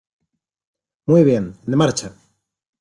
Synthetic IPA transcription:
mujβjend̪emaɾt͡ʃa

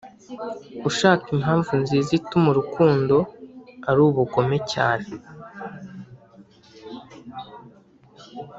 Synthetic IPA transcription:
uʃaːkimɦaːɱvunzizitumuɾukʰuːndo̞aɾuːβuɡo̞me̞ca̰ːne

